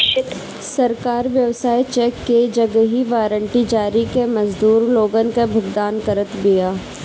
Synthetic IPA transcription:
sɐɾkaːɾʋjɐʋsaːit͡ʃɛːkːed͡ʒɐɡɦiʋaːɾə̃ɳʈid͡ʒaːɾikemɐzd̪uːɾloːɡənkebʱʊɡd̪aːnkəɾət̪bijaː

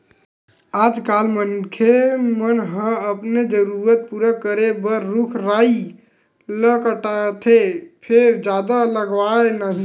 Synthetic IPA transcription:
ad͡ʒkalmənkʰemənɦə̃əpned͡ʒəɾuɾət̪̚puɾəkəɾebəɾːukʰɾai | ləkəʈat̪ʰepʰeɾd͡ʒad̪aləɡʋaenaɦ

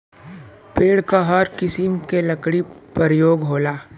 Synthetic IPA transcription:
peːɽkaɦɐɾkɪsimkelɐkɽipəɾjoːɡɦoːlaː

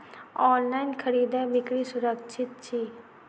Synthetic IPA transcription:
ɔːnlaːinkʰəɾiːd̪ɛːbɪkɽiːsʊɾəkʃʰɪt̪̚t͡ʃʰiː

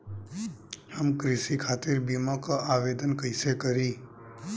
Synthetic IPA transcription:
həmkɾɪsikʰaːt̪ɪɾbiːmakaʔaːʋeːd̪ənkəɪsekəɾiː

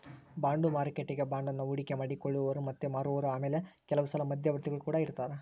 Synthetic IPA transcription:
baːɳɖumaːɾkeʈːiɡe̞baːɳɖɐnːɐuɽikemɐɽikoɭːuʋɐɾumɐt̪ːumaːɾuʋɐɾuaːmeːlekɛlɐʋusɐlɐmɐd̪ʱjɐʋɐɾt̪iɡɐɭukuːɽɐiɾt̪aːɾe

